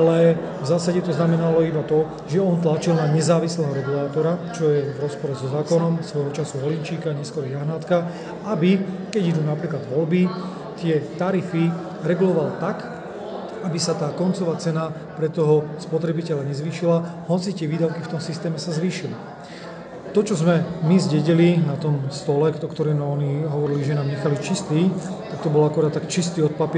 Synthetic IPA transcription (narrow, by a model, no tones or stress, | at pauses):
alɛ | vzaːsaɟɛt̪ɔznamɛnalɔibat̪ɔ | ʒɛɔnt̪lat͡ʃilnaɲɛzaːʋislɛːɦɔɾɛɡulaːt̪ɔɾat͡ʃɔjɛvɾɔspɔɾɛzɔzaːkɔnɔmsʋɔjɦɔt͡ʃasuɦɔlint͡ʃiːkaɲɛskɔɾɔjaɦnat̪ka | abikɛɟid̪uːnapɾiːklad̪ʋɔlbi | t̪ɪɛt̪aɾifi | ɾɛɡulɔʋalt̪ak | abisat̪aːkɔnt͡sɔʋaːt͡sɛna | pɾɛt̪ɔɦɔspɔt̪ɾɛbicɛʎlaɲɛzʋiːʃilaɦɔt͡sit̪ɪɛʋiːd̪aʊkift̪ɔmsist̪ɛːmɛsazʋiːʃili | t̪ɔt͡ʃɔzmɛmizɟɛɟilinat̪ɔmst̪ɔlɛɔkt̪ɔɾɛːmɛɔɲiɦɔʋɔɾiliʒɛnaːmɲɛxalit͡ʃist̪iːt̪ak̚t̪ɔbɔlakɔɾaːd̪t̪ːakt͡ʃist̪iːɔt̪̚pap